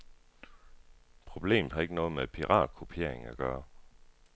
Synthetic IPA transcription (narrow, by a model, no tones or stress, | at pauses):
pʰʁo̝b̥le̝̰ːmð̩ˠhɑ̈e̝ɡ̥ənɔ̽ːð̞̩ˠmepʰiʁɑ̰̥̈ːkʰopʰe̝ɐ̰e̝ŋæɡ̥ɶːɐ